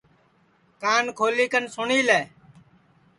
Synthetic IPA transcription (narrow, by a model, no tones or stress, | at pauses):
kaːnkʰoːliːkənsʊɳiːleː